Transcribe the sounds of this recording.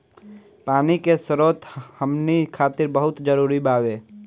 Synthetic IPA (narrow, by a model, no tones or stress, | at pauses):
paːnikesəɾoːt̪həmnikʰaːt̪ɪɾbəɦʊt̪d͡ʒəɾuːɾibaːweː